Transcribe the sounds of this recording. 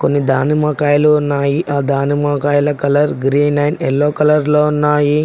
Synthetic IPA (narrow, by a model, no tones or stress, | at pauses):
ko̞nːid̪ʱaːnimaːkaːjɐluːunːaːjiʔaːd̪ʱaːnimaːkaːjɐlɐkɐlɐɾɡɾiːnnɐjnɛlːoːkɐlɐɾloːunːaːji